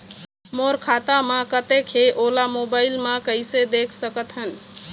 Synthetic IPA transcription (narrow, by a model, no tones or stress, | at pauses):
moɾkʰat̪amãkət̪ekʰeʔolamobaɪlmãkəjsed̪ekʰsəkət̪ɦən̆